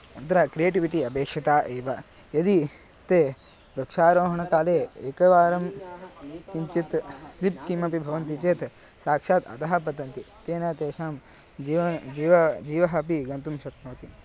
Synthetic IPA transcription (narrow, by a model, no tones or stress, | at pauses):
ɐnt̪ɐɾɐkɾijeːʈiʋiʈiɐpeːkʂɐt̪aːʔeːʋɐ | jɐd̪i | t̪eː | ɾɐkʂaːɾoːɦɐɳɐkaːleːeːkɐʋaːɾɐm | kiɲt͡ʃit̪slip̚kimɐpibʱɐʋɐnt̪it͡ʃeːt̪ | saːkʂaːt̪ɐ̰t̪ɐɦɐp̬ɐt̪ɐnt̪it̪eːnaːt̪eːʃaːm | d͡ʒiːʋɐd͡ʒiːʋɐd͡ʒiːʋɐɦɐpiɡɐnt̪umʃɐknoːt̪i